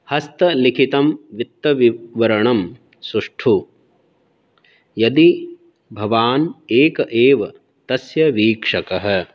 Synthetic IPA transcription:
hɐst̪ɐlikʰit̪ɐmʋit̪ːɐʋiʋɐɾɐɳɐm | suʂʈʰu | jɐd̪i | bʱɐʋaːneːkɐʔeːʋɐ | t̪ɐsjɐʋiːkʂɐkɐɦɐ̆

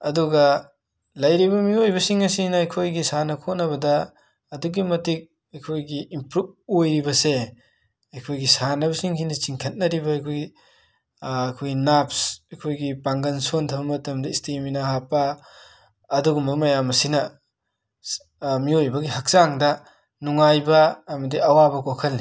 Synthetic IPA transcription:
ɐduɡɐ | lɐjɾibɐmiojbɐsiŋɐsinɐɐjkʰojɡisanɐkʰotnɐβɐdɐː | duɡimɐtik̚ | ɐjkʰojɡiːmpɾub̚ojɾibɐse | ɐjkʰojɡisanɐbɐsiŋhʰinɐt͡ʃiŋkʰɐt̚nɐɾibɐɐjkʰojɡi | ɐjkʰojɡinapsɐjkʰojɡipaŋɡɐnsontʰɐbɐmɐtɐmdɐistiminaɦapːɐː | duɡumɐmɐjamɐsinɐ | miojbɐɡiɦɐk̚zaŋdɐ | nuŋajbɐːmɐdiɐwabɐkokʰɐlni

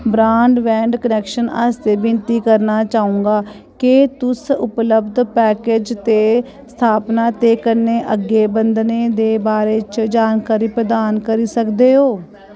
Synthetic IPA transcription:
bɾaːɳɖʋɛ̃ːɳɖkənɛːkʃəna̰st̪eːbɪnt̪iːkəɾnaːt͡ʃaːũːŋɡaː | kɪt̪ʊsʊpləbd̪pɛːked͡ʒt̪eː | st̪ʰaːpnaːt̪eːkəɾneːʔəɡːeːbənd̪neːd̪eːbaːɾeːt͡ʃd͡ʒaːnkaːɾiːpɾəd̪aːnkəɾiːsəkd̪eːɦoː

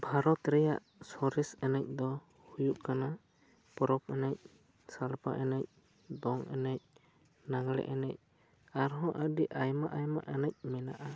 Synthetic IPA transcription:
bʱaɾɔt̪ɾɛja̰ʔ | sɔɾɛsɛnac̚ˀd̪ɔ | hujuʔkana | pɔɾɔp̚ɛnac̚ | salpa̰ʔɛnɛc̚ | d̪ɔŋɛnɛc̚ | naŋlɛ̰ʔɛnɛc̚ | aɾɦɔ̃ʔadiʔajmaʔajma̰ʔɛnac̚mɛnaʔa

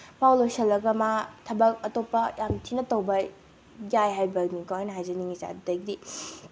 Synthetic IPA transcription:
pawlosɐlɐɡɐmatʰɐbɐk̚ɐtopːɐjʔamtʰinɐtɐwbɐ | ɡajɦajbɐɡnikoɦajnɐɦajzɐniŋisa̰dɐɡdi

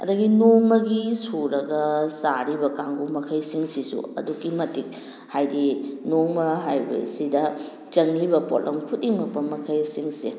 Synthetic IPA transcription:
ɐ̰dɐɡinoŋmɐɡisuɾɐɡɐsaɾibɐkaŋɡumɐkʰɐjsiŋsisṵɐ̰dukːimɐtik̚ | hajdinoŋmɐɦajbɐ̰sidɐ | t͡ʃɐŋibɐpo̰tlʔɐmkʰut̚iŋmɐk̚pɐmɐkʰɐjsiŋsi

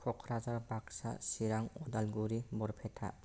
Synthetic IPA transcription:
kʰɔkʰɾazaɾbaksa̰siɾaŋɔdalɡuɾibɔɾpʰetʰa̰

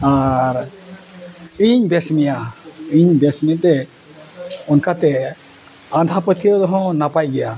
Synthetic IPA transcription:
aɾ | iɲbɛsmijaiɲbesmiat̪ɛ | ɔnkat̪ɛ | ad̪ʱapət̪ijɔd̪ɔɦɔ̃napajɡɛja

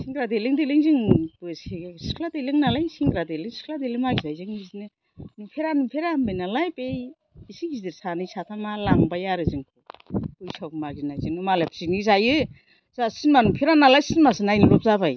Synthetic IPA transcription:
siŋɡɾadeliŋdeliŋziŋbɯsisi̥kʰladeliŋnalajsiŋɡɾadeliŋsi̥kʰladelimaɡizajziŋizinɯ | nipʰeɾanimpʰeɾambɯjnalajbej | isiɡizdiɾsanɯjsat̪ʰamalaŋbajaɾɯziŋkʰubujsawkmaɡinajzinɯmalepʰsinizajɯ | zasinmanumpʰiɾanalajsinmasɯnajniɾɔp̚zabaj

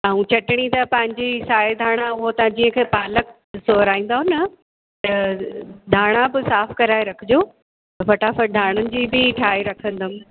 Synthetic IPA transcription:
aːũt͡ɕɐʈɪɽ̃it̪ɐpɐ̃ɦɪ̃ɲd͡ʑisaːed̪ʱaːɽ̃ãʊɦot̪ɐãd͡ʑiːə̃kʰeːpaːlək̚ | soːɾaːĩːnd̪aːɦʊnɐ | t̪ɐ | d̪ʱaːɽ̃abɪsaːfkɐɾaːeɾɐkʰɪd͡ʑoː | t̪ɐfɐʈaːfɐʈ̚d̪ʱaːɽ̃ʊnɪ̆d͡ʑiːbɪʈʰaːiɾɐkʰə̃nd̪ʊm

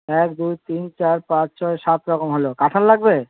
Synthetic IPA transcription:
ɛkd̪ujt̪int͡ɕaɾpãt͡ɕt͡ɕɔeʃat̪ɾɔkomɦolokaʈʰanlaɡ̚be

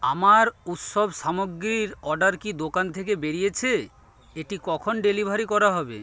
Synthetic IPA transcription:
a̰maɾut̪ʃobʃamoɡɾiɾɔɖaɾkid̪okant̪ʰekebeɾijet͡ɕʰe | eʈikɔkʰonɖelibʱaɾikɔɾaɦɔbḛ

